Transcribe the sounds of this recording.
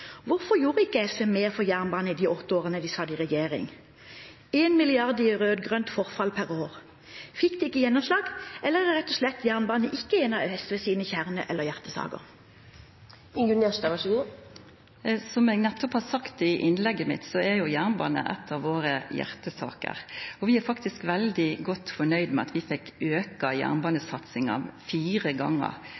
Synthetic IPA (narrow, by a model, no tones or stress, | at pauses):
ʋʊɾfɔjuːʁəɪkːəɛfɛmeːʁfɔjæʁnbɑːnəid̪iːʔɔt̪ːəoːʁənəd̪iːsɑd̪ɪʁɛjeːʁɪ̰ŋ | eːnmɪlɪɑʁd̪ɪʁøːd̪ɡʁœnt̪fɔʁfɑlpʰæʁoːʁ | fɪkd̪ɪːɪkːəjɛnːɔmslɑːɡɛlːəæʁɛt̪ːɔslɛt̪ːjæʁnbɑːnəʔɪkːəeːnɑɛsʋɛsiːnəçæʁnə̰ʔɛlːəʁjæʁt̪əsɑ̰ːɡə̰ʁ | ɪŋɡʉneːʃt̪ɑʋɑʃəɡu | sɔmɛːɡnɛt̪ːɔphɑːsɑkt̪ɪɪʔɪnlɛɡːəmɪ̰t̪sɔæɾjʊjæʁnbɑ̰ːnə̰ʔɛ̰t̪ʰːɑʋʋoːɾəjæ̰ɾt̪əsɑ̰ːkə̰ɾɔʋɪæfɑkt̪ɪskʋɛld̪ɪɡɔt̪ːfɔɳœʏd̪mɛɑ̰t̪ʋɪfɛkːøːkɑjæ̰ːʁnbɑːnəsɑt̪sɪŋɑ̰ʋfiːɾəɡɑ̰ŋːə̰ɾ